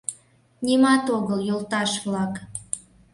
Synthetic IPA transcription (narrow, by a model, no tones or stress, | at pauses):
nʲimɑt̪oɣəljolt̪ɑʃβlɑk